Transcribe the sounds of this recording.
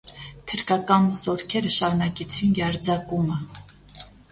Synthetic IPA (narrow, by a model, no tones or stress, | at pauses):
t̪ʰəɾkɑkɑnzɔɾkʰɛɾəʃɑɾunɑkɛt͡sʰinjɑɾd͡zɑkumə